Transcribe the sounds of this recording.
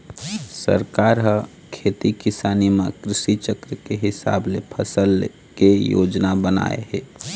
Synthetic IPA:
sə̰ɾkaɾɦə | kʰeːt̪ikɪsaːnimẽkɾɪʃit͡ʃəkɾəkeɦɪsa̰ːblepʰəsəl | kejo̰ːd͡ʒnabəna̰ːḛɦeː

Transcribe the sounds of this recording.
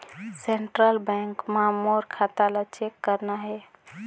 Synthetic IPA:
seɳʈɾəlbɛ̃ŋkmãmoɾkʰat̪alat͡ʃekːəɾnaɦɛ

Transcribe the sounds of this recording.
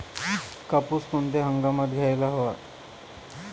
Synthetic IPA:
kapusk̪und̪eɦəŋɡamat̪ɡʱjajlaɦoʋa

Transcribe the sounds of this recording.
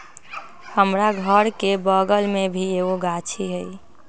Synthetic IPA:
həmɾaɡʱəɾkebəɡəlmebʱieoɡat͡ʃʰiɦəj

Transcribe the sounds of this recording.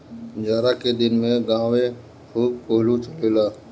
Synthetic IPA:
d͡ʒaːɾakeɗ̪ɪnmẽɡãːʋe | xʰuːb̚koːɦlut͡ʃʰəleːlaː

